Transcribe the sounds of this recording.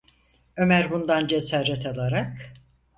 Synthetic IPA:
ø̞mæɾbund̪and͡ʒesaːɾɛt̪ʰalˠaɾak

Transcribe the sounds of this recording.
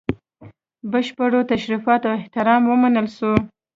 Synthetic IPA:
bəʃpəɽot̪aʃɾifɑt̪awɪht̪ɪɾɑmwəmanəlʃu

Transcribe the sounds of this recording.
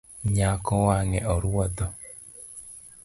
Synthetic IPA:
ɲakɔwaŋɛʔɔɾuɔd̪ɔ

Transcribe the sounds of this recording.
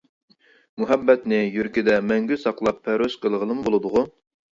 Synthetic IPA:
muɦɛbːɛt̪nɪjyɾkʲid̪ɛmɛŋɡʲysɑqlˠɑpʰːæɾoʃqəlˠəʁəlˠɨmbolˠɨd̪ʊʁʊ

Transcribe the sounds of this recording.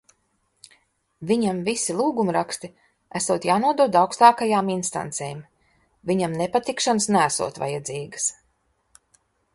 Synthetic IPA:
vʲiɲamvisilˠuːɡumɾakst̪i | æsuːt̪jaːnuɔd̪uɔd̪awkst̪aːkajaːminst̪a̰nt̪seːm | viɲamnepat̪ikʃansnææsṵɔːt̪va̰jad̪ziːɡəs

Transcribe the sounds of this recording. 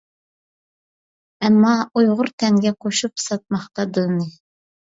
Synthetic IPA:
ɛmːɑujʁʊɾt̪ʰɛŋɡʲɛqʰoʃupsɑt̪̚mɑχt̪ɑd̪ɨnɨ

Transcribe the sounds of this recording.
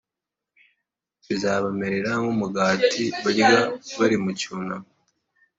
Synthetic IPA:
βizaːβameɾeɾaŋumuɡaːtiβaɟiɡaβaɾimuciuna

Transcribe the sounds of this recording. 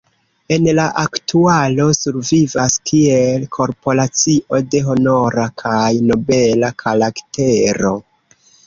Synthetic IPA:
e̞nlaʔaktualo̞suɾvivaskʰielkʰo̞ɾpo̞lat͡siʔo̞de̞ɦo̞no̞ɾakʰajno̞be̞lakʰalakteɾo̞

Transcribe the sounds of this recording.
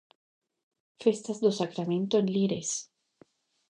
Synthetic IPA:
fe̞st̪azd̪osakɾamẽnt̪oẽnliɾḛs

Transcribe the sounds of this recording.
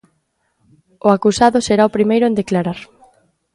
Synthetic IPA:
ʊakusaðʊseɾaopɾimejɾʊẽnd̪eklaɾaɾ

